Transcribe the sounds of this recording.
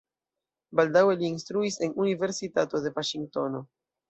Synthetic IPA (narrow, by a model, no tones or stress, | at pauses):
baldawe̞liːnstɾuise̞nunive̞ɾsitato̞de̞vaʃiŋɡ̚to̞no̞